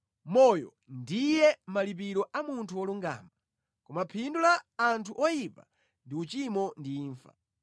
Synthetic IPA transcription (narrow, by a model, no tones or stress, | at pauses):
mɔjɔ̰ | ndijɛmalip̬iɾɔʔamuntʰuɔluŋɡa̰ːma | kɔmapʰindulaːntʰuʔɔjipa | ndiut͡ʃimɔndiːɱfa̰